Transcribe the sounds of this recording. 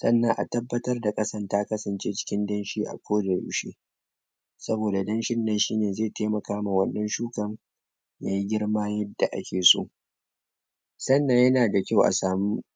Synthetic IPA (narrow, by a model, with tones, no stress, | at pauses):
sɐ̰˦nːɐ˦ŋʔa̰˨tɐ˦bːɐ˦tɐ˦rda˨kʼɐ˦sɐ˦˨ntaː˦kɐ˦sɐ˨nt͡ʃeː˦t͡ʃɪ̥˦kʲɪ˦ndɐ˦nʃiː˦ʔa̰˨kʷoː˦dɐ˨ɽṵː˦ʃḛː˦ | sɐ˦boː˨da˨dɐ˦nʃɪ˦nːɐ˨nʃiː˦neː˨zeː˦˨teː˦mɐ˨kaː˦ma˨wɐ˨nːɐ˦nʃuː˦kɐ˦ŋ | jaː˨ji˦ɡʲɪ˦ɽmaː˦jɐ˦dːa˨ʔa̰˦kʲeː˨so̰ː˦ʔ | sɐ˦nːɐ˦ɲjɐ˦naː˨da˨kʲa˦wʔa̰˨saː˨mu˦